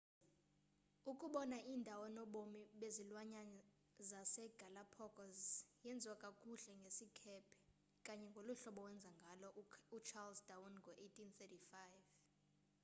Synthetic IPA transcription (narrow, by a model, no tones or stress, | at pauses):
ukʼuɓɔnaʔiːndʱawɔnɔɓomiɓezilwaɲa | zasɛɡ̥ʱalapʰɔkʼɔzjɛnd͡zʱwakʼakʼuɬɛŋɡʱesikʰɛpʰɛ̥ | kʼaɲɛŋɡʱoluɬɔɓɔwɛnd͡zʱaŋɡʱalɔut͡ʃʰalsdawunŋɡʱɔʔejtʼʰinθɛtifajv